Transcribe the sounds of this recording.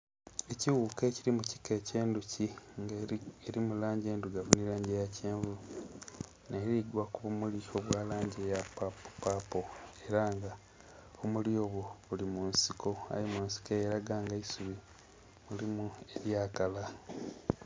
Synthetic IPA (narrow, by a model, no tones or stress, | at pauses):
e̞ciwukeciɾimuci̥ke̞ce̞ːnducʰiŋeɾimulaːɲɟe̞ːnduɡavunilaːɲɟejaceːɱvu | neːɾiɡwakuβumulio̞βwaːlaːɲɟejapappapo̞e̞ɾaŋɡa | omulio̞ːβoulimunsiko̞a̰jemuːnsi̥kojeɾaɡaŋɡaisuβi | mulimue̞ɾjaːkala